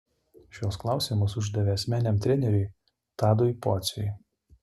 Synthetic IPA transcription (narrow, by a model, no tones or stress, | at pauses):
ʃʲoːsklˠɑˑʊsʲiːmos̬ʊʒʲd̪ɐʋʲeɛsʲmʲæːnʲɛmt̪ʲɾʲɛnʲɛɾʲʊɪ | t̪ɑːd̪ɔjpɔt̪sʲʊ̰